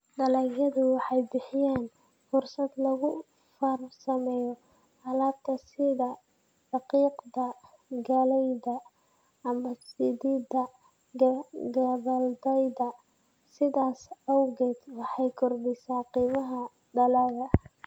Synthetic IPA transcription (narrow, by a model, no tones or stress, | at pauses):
ɖɐlɐɣɐðʊwɑħɑjbɪħɪjaːn | fʊrsɐd̪lɐɣʊ | fɐrsɐmɛjɔ | hɐlaːt̪ʰːɐsɪðɐ | dɑqiːqd̪ɐ | ɡɐlɛjdɐ | ɐmɐsɪdiːd̪ɐ | ɡɡɐβɐld̪ɛjðɐ | sɪðaːsɐwɣɛːd̪wɑħɑjkʰʊrbɛsaːqiːmɐɦɐ | ɖɐlaːɣɐ